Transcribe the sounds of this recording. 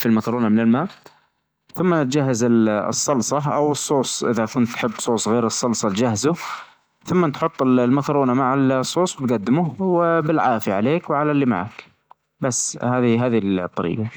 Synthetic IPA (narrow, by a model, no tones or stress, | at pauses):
filmakɾˤuːnamɪnɪlmaːʔ | θʊmːat̪̚d͡ʒaɦːazɪɨ̰sˤːɑlsˤɑʔa̰wɨsˤːoːsˤʔɪðakʊnt̪ːħɪbːsˤoːsˤɣeːɾɨsˤːɑlsˤɑt̪d͡ʒaɦzʊ | θʊmːat̪ħʊt̪ˤːɪllmakɾˤuːnamaʕalsˤːoːsˤwt̪ɡad̪ːɪmʊwɪbɪlʕaːfjaʕaleːkwʕalalːiːma̰ʕa̰k | basːhaːðiɦaːðilt̪ˤːɑɾḭːqɑ